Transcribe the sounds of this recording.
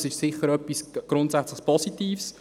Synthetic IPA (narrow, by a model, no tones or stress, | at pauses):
sɪʃsɪχəɾœpːisɡ̥ɾʊntsæt͡sləχpʰɔsitiːfs